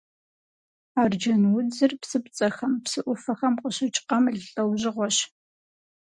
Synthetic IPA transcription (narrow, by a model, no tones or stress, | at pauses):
aːrd͡ʒɐnwʊd͡zɨrpsɨpt͡sʼɐxɐmpsɨʔʷʊfɐxɐmqʷəɕɪt͡ʃʼqɐmɮɬʼɐwʑɪʁʷɔɕ